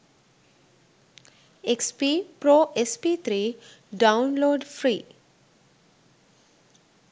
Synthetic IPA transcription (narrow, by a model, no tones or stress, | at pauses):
ekspipɾoespit̪ʰɾiɖawnloɖfʰɾi